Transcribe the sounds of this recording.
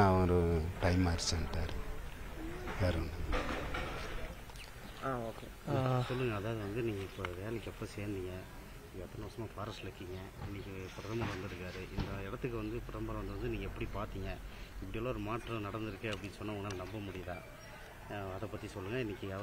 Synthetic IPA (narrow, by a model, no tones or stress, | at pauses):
aʋɐɾɯʈɐɪmaːɾsɐnʈ̪aːɾɯ | ʋeːɾɐnɐ | aːoːkːeːsɔlːɯŋɡɐːðaːʋðɯʋɐnd̪ɯniːŋɡɐɪpːoʋeːlɪkːɛpːoseːɾnd̪ɪŋɡɐ | iŋɡɐɛt̪ːɐnɐpɐsɐmaːfaːɾɐslɐkːɪŋɡɐɪnːɪkːɯpɾɐðɐmɐʋɐnd̪ɯɪɾɯkːaːɾɯʔɪnd̪ɐɪɽɐt̪ːɯkːɯʋɐnd̪ɯpɾɐmbɐlɐʋɐnd̪ɯʋɐnd̪ɯniːŋɡɐɛpːɐɽipaːɾt̪iŋɡɐɪpːɐɽɪjaːlːoɔɾɯmaːʈɾɐ̃nɐɽɐnd̪ɯɾɯkːeɐpːɐɽɪnːsɔnːɐŋɡnːaːlɐnɐmbɐmʊɽɪjɐðãː | ɐðɐpɐt̪ːisɔlːɯŋɡɐɪnːɪkːɯaː